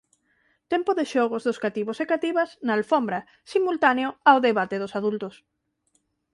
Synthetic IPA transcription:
t̪ɛmpoðeʃɔɣ̞ozðʊskat̪iβosekat̪iβɐsnaːlfombɾa | simult̪aneoawðeβat̪eðosaðult̪ʊs

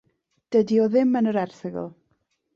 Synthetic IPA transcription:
d̥ədiɔðɪmənəɾɛrθɪɡə̰lˠ

